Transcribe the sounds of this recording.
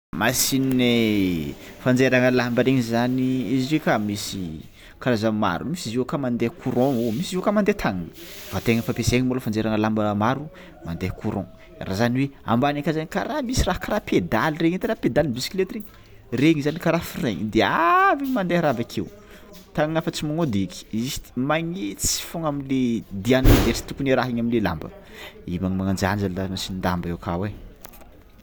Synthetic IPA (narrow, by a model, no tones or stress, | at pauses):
masinine | fand͡zeɾaŋəlambəɾeŋizaniiziɾekamisi | kaɾazama̰ɾumisiziwkamand̪ekʰuɾɔ̃omisiziwkamand̪et̪ʰaŋanv̥at̪eŋəfapeseŋimboləfand͡zeɾaŋəlambəmaɾu | mand̪ekʰuɾʔɔ̰̃ | ra̰zaniwea̰mbanakazanika̰ɾamisiraɦkaɾapʰed̪alireɲet̪eɾaped̪alinbisi̥kilet̪ireɲ | reŋizanikaɾafiɾeɲid̪eaviɲimand̪eɦɾabakʰew | t̪aŋnafət͡simaŋod̪eki̥isi̥maɲit͡si̥foŋamiled̪ianlad̪eɾi̥t̪ukuneɾaɦiɲaminlela̰mbə̰imaŋmaŋand͡ʒand͡ʒalansinind̪ambewkʰawe